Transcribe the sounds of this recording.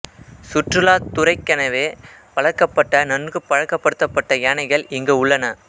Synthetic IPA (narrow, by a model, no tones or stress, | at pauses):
sʊʈrɯlaːt̪ʊrɐɪkːɐnɐʋeː | pɐɻɐkːɐpːɐʈːɐnɐnɡɯpːɐɻɐkːɐpːɐɽɯt̪ːɐpːɐʈːɐjaːnɐɪɣɐɭɪŋɡeːʊɭːɐnɐ